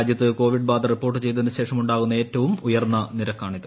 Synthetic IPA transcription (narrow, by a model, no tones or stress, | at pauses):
d̪jɐt̪ːɨko̞ːʋiɖbaːd̪ɐripːo̞ːrʈ̬ːɨt͡ɕe̞jt̪̬enːɨɕe̞ːʂɐmuɳɖaːɣunːɐe̞ːtːɐʋumujɐrnːɐniɾɐkːaːɳiðɐ